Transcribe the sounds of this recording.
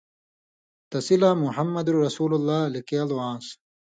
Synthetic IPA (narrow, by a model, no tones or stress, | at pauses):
t̪ɐsilaːmuħɐmːɐd̪uɾɐsuːlulːaːlikjaluwãːs